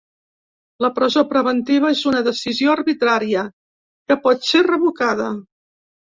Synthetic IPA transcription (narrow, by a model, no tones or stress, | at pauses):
ləpɾəzopɾəβənt̪iβ̞əezunəðəsizioərβit̪ɾaɾiə | kəpɔt̪serəβukaðə